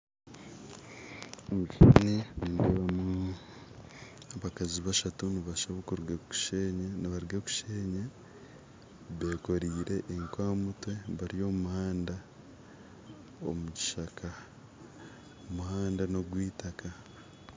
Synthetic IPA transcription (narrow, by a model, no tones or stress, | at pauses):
omuinenineβamu | aβakaziβaʃatuniβaʃaβokuɾɡeku̥ʃeɲaniβaɾɡeku̥ʃeːɲe | βe̞ːko̞ɾiːɾe̞ʔːŋkwaːmutwe̞βaɾijo̞mumuhaːnda | o̰muɟi̥ʃaka | omuhaːndano̞ɡwiːtaka